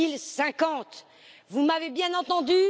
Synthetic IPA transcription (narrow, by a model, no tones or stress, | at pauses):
ilsɛ̃kɑ̃t̪ | vumavebjɛ̃nɑ̃t̪ɑ̃d̪y